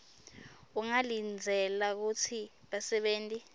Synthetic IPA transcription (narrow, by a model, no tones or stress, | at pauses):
uŋalind͡zʱɛlak̬ut͡sʰi | ɓasɛɓeːntʼi